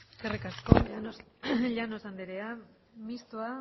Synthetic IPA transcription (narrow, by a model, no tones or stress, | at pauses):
kerikasko | ʎanosand̪eɾea | mist̪ua